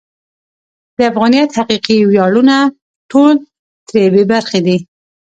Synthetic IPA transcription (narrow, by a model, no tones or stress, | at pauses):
d̪̥əafɣɑnijat̪haqiqiwjɑluna | ʈol | t̪ɾebebaɾxed̪i